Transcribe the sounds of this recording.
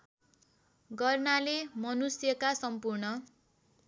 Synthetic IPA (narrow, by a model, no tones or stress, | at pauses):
ɡʌrnalemʌnusjʌkasʌmpurnʌ